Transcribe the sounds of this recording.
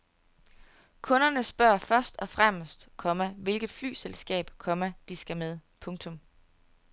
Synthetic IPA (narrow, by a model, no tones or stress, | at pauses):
kʰɔ̽nɐnəsb̥ɶɐ̰fɶɐsd̥ɒ̽fʁamsd̥kʰɒ̽məʋe̝lɡ̥ðˠfly̰ːselsɡ̥ɛ̰ːb̥kʰɒ̽məd̥isɡ̥æmeð̞ˠpʰɔ̽ŋt͡sʰɔ̽m